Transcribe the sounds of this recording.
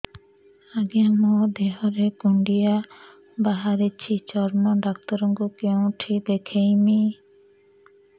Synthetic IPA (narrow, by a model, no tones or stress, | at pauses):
aɡijamɔd̪eɦɔɾekuɳɖija | baɦaɾit͡ʃʰit͡ʃɔɾmɔɖak̚t̪ɔɾɔŋɡukew̃ʈʰib̪ekʰejmi